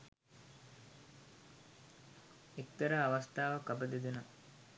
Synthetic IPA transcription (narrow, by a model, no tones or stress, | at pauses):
ekt̪əɾəːʋɐst̪aːʋɐkɐbəd̪ed̪inɐ